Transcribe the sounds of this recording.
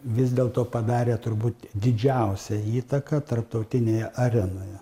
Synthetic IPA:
ʋʲɪzʲd̪ʲeːlˠt̪oːpɐd̪ɑːɾʲeːt̪ʊɾbuːt̪d̪ʲɪd͡ʒʲɛˑʊsʲɛiːt̪ɐkɐt̪ɐrp̚t̪ɐʊt̪ʲɪnʲeːjɛʔɐɾʲɛnoːjɛ

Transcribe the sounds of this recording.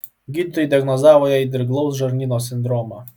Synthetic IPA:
ɡʲit̪ːɔjd̪ʲjaɡnɔzavɔjaid̪ɾɡlˠɔwzʐɔɾnʲinɔsʲind̪ɾɔma

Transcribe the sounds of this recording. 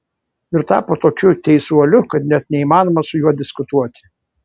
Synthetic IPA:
ɪɾt̪ɑːpoːt̪oːkʲʊt̪ʲɛɪsuɔlʲʊkɐt̪nʲɛt̪nʲɛimɑːnoːmɐsʊjuɔd̪ʲɪskʊt̪uɔt̪ʲɪ̥

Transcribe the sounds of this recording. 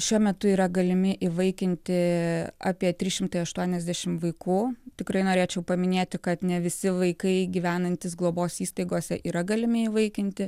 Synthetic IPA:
ʃʲuɔmʲɛt̪ʊiːɾɐɡɐlʲɪmʲɪʔiʋɐɪkʲɪnʲt̪ʲɪɑ̰ːpʲiɛt̪ʲɾʲiʃʲɪmt̪ɐɪɐʃt̪uɔnʲɛzʲd̪ʲæʃʲɪmʋɐɪkuːt̪ʲɪkɾɐɪnoːɾʲeːt͡ʃʲɛʊpɐmʲɪnʲeːt̪ʲɪkɐt̪nʲɛʋʲɪsʲɪʋɐɪkɐɪɡʲiːʋʲæːnɐnʲt̪ʲɪsɡlˠoːboːsiːst̪ɐɪɡoːsʲɛʔiːɾɐɡɐlʲɪmʲɪiːʋɐɪkʲɪnʲt̪ʲɪ

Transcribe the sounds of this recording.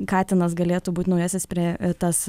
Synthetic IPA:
kɑːt̪ʲɪnɐsɡɐlʲeːt̪uːbuːt̪ʲnɐʊjɛːsʲɪspʲɾʲiɛt̪ɐs

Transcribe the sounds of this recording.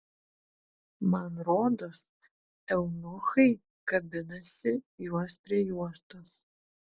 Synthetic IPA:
mɐnɾoːd̪os | ɛlˠnʊxɐɪ | kɐbʲɪnɐsʲɪjuɔspʲɾʲiɛjuɔst̪oːs

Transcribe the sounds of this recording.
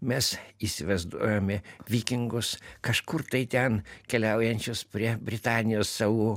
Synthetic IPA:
mʲɛsisʲɪʋɐɪzd̪uɔjoːmʲɪʋʲiːkʲɪŋɡʊskɐʃkʊɾt̪ɐɪt̪ʲɛnkʲɛlʲɛʊjɛnʲt͡ʃʲʊspʲɾʲiɛbʲɾʲɪt̪ɑːnʲɪjoːsːɑːʋuː

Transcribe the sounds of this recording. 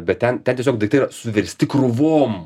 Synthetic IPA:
bʲɛt̪̚t̪ʲɛnt̪ʲɛnt̪ʲiɛsʲoːkd̪ɐɪkt̪ɐɪiɾɐsʊʋʲɛɾʲsʲt̪ʲɪkrʊʋoːm

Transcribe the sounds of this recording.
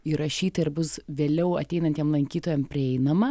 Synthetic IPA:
iɾɐʃʲiːt̪ɐɪɾbʊsʋʲeːlʲɛʊɐt̪ʲɛɪnɐnt̪ʲjɛmlˠɐŋʲkʲiːt̪oːjɛmpʲɾʲɪɛɪnɐmɐ

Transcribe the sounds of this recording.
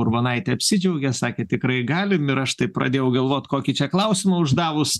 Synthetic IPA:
ʊrbɐnɐɪt̪ʲɛɐpʲsʲɪd͡ʒʲɛʊɡʲɛsɑːkʲet̪ʲɪkɾɐɪɡɑːlʲɪmɪɾɐʃt̪ɐɪpɾʔɐ̰d̪ʲeːjɛʊɡɐlˠʋoːt̪ʲkoːkʲit͡ʃʲɛklˠɐʊsʲɪmɐʊʒd̪ɑːʋʊs

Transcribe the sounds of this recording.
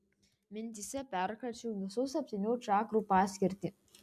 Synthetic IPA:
mʲɪnʲt̪ʲisʲɛpʲɛɾkɐlʲt͡ʃʲuːʋʲɪsuːsɐpʲt̪ʲɪnʲuːt͡ʃɑːkɾupɑːsʲkʲɪɾʲt̪ʲi

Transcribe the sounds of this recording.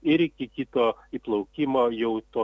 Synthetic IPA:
ɪɾɪkʲɪkʲit̪oiplˠɐʊkʲimoːjɛʊt̪oː

